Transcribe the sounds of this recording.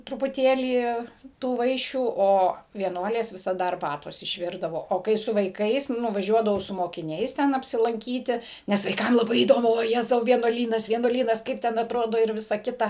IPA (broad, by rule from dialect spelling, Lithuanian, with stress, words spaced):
trʊpʊˈtʲeːlʲiː ˈtuː ˈʋɐɪʃʲuː ˈoː ʋʲiɛˈnuɔlʲeːs ʋʲɪsɐˈdɐ ɐrˈbɑːtoːs ɪʃʲˈʋʲɪrdɐʋoː oː ˈkɐɪ sʊ ʋɐɪˈkɐɪs nʊʋɐˈʒʲuɔdɐʋɐʊ sʊ moːkʲɪˈnʲɛɪs ˈtʲɛn ɐpʲsʲɪlˠɐŋʲˈkʲiːtʲɪ ˈnʲɛs ʋɐɪˈkɐm lˠɐˈbɐɪ iːˈdoːmʊ ʋoːˈjæːzɐʊ ʋʲiɛnuɔˈlʲiːnɐs ʋʲiɛnuɔˈlʲiːnɐs ˈkɐɪp tʲɛn ɐtˈroːdoː ɪr ˈʋʲɪsɐ ˈkʲɪtɐ